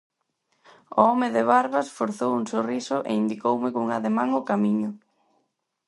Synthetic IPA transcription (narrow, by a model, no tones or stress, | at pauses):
ʊ̰ɔmɪðɪβaɾβasfoɾθowuŋsorisʊʔḛind̪ikowmɪkoŋaðemãŋʊkamiɲʊ